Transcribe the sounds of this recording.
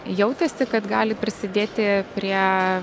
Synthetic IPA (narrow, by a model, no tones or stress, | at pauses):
jɛʊt̪ʲɛsʲɪkɐt̪ɡɑːlʲɪpʲɾʲɪsʲɪd̪ʲeːt̪ʲɪpʲɾʲiɛ